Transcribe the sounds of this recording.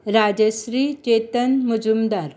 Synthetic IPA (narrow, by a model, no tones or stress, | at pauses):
ɾad͡ʑəɕɾiːt͡ɕet̪ənmud͡ʑumd̪aɾ